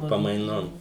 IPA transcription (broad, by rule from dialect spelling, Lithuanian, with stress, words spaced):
pɐmɐɪˈnoːm